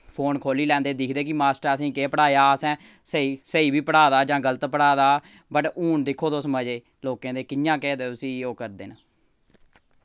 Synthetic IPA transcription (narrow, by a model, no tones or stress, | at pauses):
pʰoːnkʰoːliːlɛ̃ːnd̪eːd̪ɪkʰd̪eːkɪmaːsʈəɾəsĩːkeːpəɽaːjaːsɛ̃ː | səiːsəiːbiːpəɽaːd̪aːd͡ʒãːɡələt̪pəɽaːd̪aː | bəʈuːɳd̪ɪkʰːoːd̪oːsəməd͡ʒeː | loːkẽːd̪eːkɪjãːkɛːd̪eːʊsĩːoːkəɾd̪ḛːna